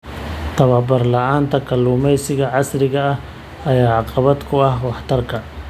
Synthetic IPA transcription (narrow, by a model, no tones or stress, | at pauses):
t̪ʰɐβɐbɐrlɐʕaːnt̪ʰɐkʰɐlːuːmɛjsɪɣɐʕɑsɾɪɣɐɐh | ɐjaːʕɑqɑβɐd̪kʰʊɐhwɑħt̪ʰɐrkʰɐ